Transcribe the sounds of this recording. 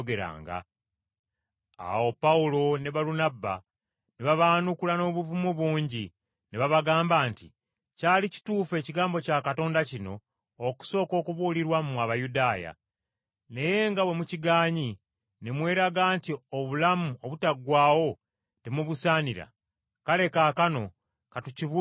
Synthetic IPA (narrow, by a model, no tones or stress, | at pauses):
ɡe̞ɾa̰ːŋɡa̰ | a̰wo̞pawulo̞neβalunaba | neβaβaːnukulano̞ːβuvumuβuːɲɟi | neβaβaɡaːmbaːnti | caːlici̥tuːfe̞ːciɡaːmbo̞caːkato̞ːndacino̞ː | ku̥so̞ːko̞ːkuβuːliɾwamumwaβajudaːja̰ | ne̞je̞ŋɡawe̞muciɡaːɲi | nemwe̞ːɾaɡaːntioβulamuo̞βutaɡːwaːwo̞ | temuβusaːniɾa̰ | kale̞kaːkano̞ | katuciβ